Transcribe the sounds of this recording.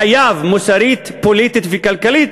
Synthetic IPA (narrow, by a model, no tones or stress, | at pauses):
ajaːvmusaɾiːt̪polit̪it̪vikalkalit̪